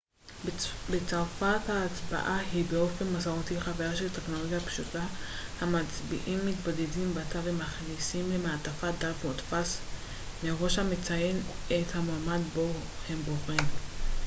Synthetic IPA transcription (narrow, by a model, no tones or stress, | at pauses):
bet͡saʁfathaːt͡sba̰ʔahibeo̞fe̞nmazaʁotiχavajaʃelteχno̞loɡjapʃutahamat͡sbḭʔimːitbodedimbatavemaχnisimlemeatafad̪afmotfas | meʁo̞ʃhamet͡saje̞nethamaːmadbohemboχim